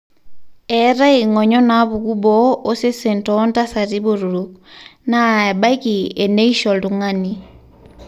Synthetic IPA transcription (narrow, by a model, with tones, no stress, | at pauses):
ɛ˨˦ɾa˦i˨ŋɔ˨ɲɔ˦na˦βu˨ku˦bɔ˦o˦se˦se˨ntɔ˦nta˦sa˨ɾi˦bo˨ɾu˨ɾu˨k̚na˦˨ɛ˨ba˦jki˨e˨ne˦i˦ʃɔ˨ldu˨ŋa˦ni˦